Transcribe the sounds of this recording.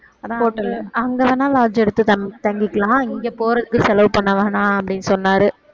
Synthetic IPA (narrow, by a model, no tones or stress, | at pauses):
ɐðãoːʈːɐlɐŋɡɐʋɐnːãːlaːd͡ʒɛɽɯt̪ːɯɐt̪ɐŋɡɪkːɐlãːɪŋɡeːpoːɾɐðɯkːɯsɛlɐʋpɐɳːɐʋaːnãːɐpːɐɽɪnːɯsɔnːaːɾɯ